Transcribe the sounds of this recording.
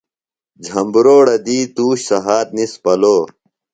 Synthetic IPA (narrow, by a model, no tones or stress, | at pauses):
d͡ʑʱɐmbɾoːɽɐd̪iːt̪uːɕsɐɦaːt̪̚nispɐloː